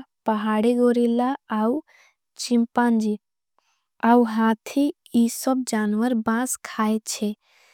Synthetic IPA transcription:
pəɦaɽiɡoɾilaːw | t͡ʃimpãnd͡ʒi | awɦat̪ʰi | isɔb̚d͡ʒanʋəɾbãskʰajt͡ʃʰe

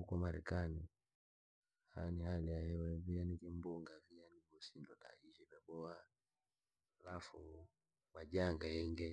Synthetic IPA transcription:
hukamaɾɛ̰kani | ha̰nihalijahɛwɛvianikimbuŋɡavianiɡɔsindɔta̰iʃɛvɛɓɔa | lafu | maʄaŋɡajɛŋɡɛ

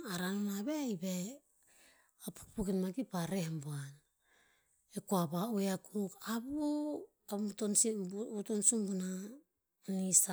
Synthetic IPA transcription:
aɾanomaβejbe | apu̥kpukinmaɡipaɾehmbuan | ekuabaueakuɾukabu | abutonsiutonsumbuna | nisa

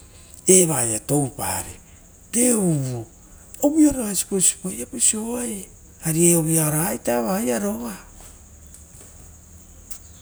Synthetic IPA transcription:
eβajato̞wpa̰ɾḭ | teuβo | oβioɾoasi̥posi̥pojapisoaj | aɾieoβiaoɾajtaβajaɾo̞βa

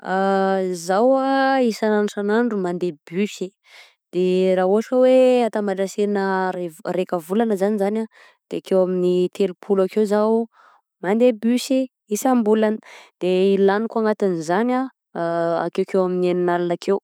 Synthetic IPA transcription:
azawaisananʈ͡ʂanaɳɖ͡ʐumand̪ebysi | d̪̥eraɦuɦaʈ͡ʂəweat̪amaʈ͡ʂaseɾinəerekəvulanəzanizana | d̪̥eakewaminit̪ʰelupʰulakewzaw | mand̪ebysi | isambulanəd̪̥eilanikuaŋat̪inizana | a̰kewkewamineninalanakʰew

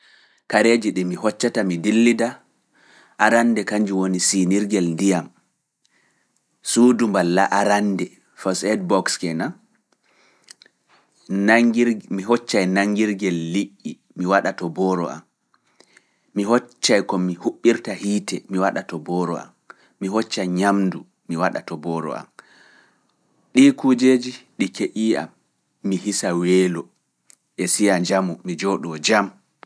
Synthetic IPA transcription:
kaɾed͡ʒiɗɛmiɦɔt͡ʃːatamidilːida | ʔaɾandɛkaɲd͡ʒiwonisiniɾɡɛlndijam | sudumbalːaʔaɾandɛ | fɔsɛd̚bɔkskɛna | naimiɦɔt͡ʃːajnaŋːɡiɾɡɛlːiʔːi | miwaɗatɔbɔːɾɔ̰a̰m | iɦɔt͡ʃːajkɔmihuɓːiɾtahiːtɛmiwaɗatɔbɔɾɔ̰a̰mː | iɦɔt͡ʃːaɲamdu | miwaɗa̰tɔbɔːɾɔ̰a̰m | ɗiːkud͡ʒeːd͡ʒiɗikeʔiːʔa̰mː | iɦisaweːlɔ | ʔɛsijaɲd͡ʒamumid͡ʒɔɗɔd͡ʒam

